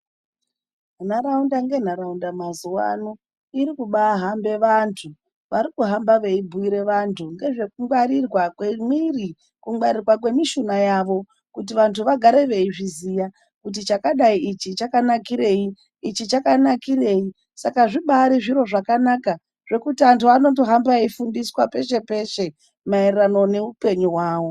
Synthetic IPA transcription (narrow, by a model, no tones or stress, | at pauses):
n̤aɾaundaŋɡe̞n̤aɾaundamazuwa̰no | iɾikuɓaɦambe̞ʋantʰu | ʋaɾikuɦambaʋe̞ibʱuiɾe̞ʋantʰuŋɡe̞ʐe̞kuŋɡwaɾirwakwemwiri | kuŋɡwaɾirwakwe̞miʃunajaʋo̞ | kut̬iʋantʰuʋaɡʱaɾeʋe̞iʐizija | kut̬it͡ʃakaɗaiit͡ʃit͡ʃakanakiɾe̞ji | it͡ʃit͡ʃakanakiɾe̞ːi | sakaʐiɓaɾiʐiɾo̞ʐakanaka | ʐ̥e̞kutiantʰuano̞to̞ɦambaifundiswape̞ʃe̞pe̞ʃe̞ | maerano̞ne̞upe̞ɲuwaːʋo̞